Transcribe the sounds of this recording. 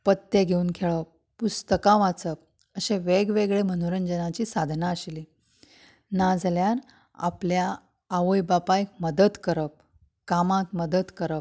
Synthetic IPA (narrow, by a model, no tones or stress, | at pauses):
pət̪ːeɡʱeuːnkʰeɭə | pust̪əkãʋat͡səp̚ | əɕeʋeɡʋeɡɭemənuɾənd͡ʑənat͡ɕiːsad̪ʱnaəɕli | nad͡zljaɾ | a̰pljaː | ʋəjbapajk̚məd̪ət̪kəɾəp̚ | kamãt̪məd̪ət̪kəɾəp̚